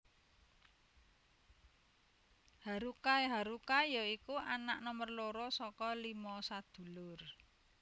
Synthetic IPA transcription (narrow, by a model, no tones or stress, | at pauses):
haɾukaeɦaɾukajɔikuanaʔnɔmərloɾɔsɔkɔlimɔsad̪̥ṳlʊr